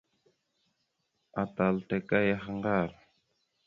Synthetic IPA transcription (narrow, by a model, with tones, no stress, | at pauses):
a˨t̪a˨lte˨ka˦ja˦xa˦ŋɡa˦˨ɾ